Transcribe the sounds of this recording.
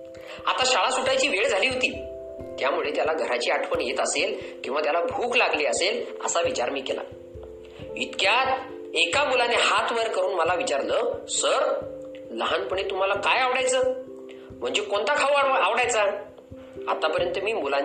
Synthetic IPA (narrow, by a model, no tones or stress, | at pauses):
a̰t̪aɕaɭasuʈajt͡ɕiːʋeɭd͡zʱaliːɦot̪iː | t̪jamuɭet̪jalaɡʱəɾat͡ɕiːaʈʰpəɳjet̪əselkĩw̃ʋat̪jalabʱuːklaɡliːəselə̰saʋit͡ɕaɾmiːkela̰ | it̪kjat̪ | ekamulanehat̪ʰʋəɾkəɾuːnməlaʋit͡ɕaɾləːsəɾ | ləɦanpəɳ̃et̪um̤alakajaʋɽajt͡səː | m̤əɳd͡ʑekoɳt̪akʰawaaʋɽajt͡sa | a̰t̪apəɾjənt̪əmiːmula